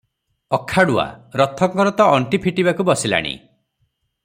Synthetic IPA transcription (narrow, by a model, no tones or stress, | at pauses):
ɔkʰaɽua̰ɾɔt̪ʰɔŋkɔɾɔt̪ɔɔɳʈipʰiʈibakubɔsila̰ɽ̃ḭ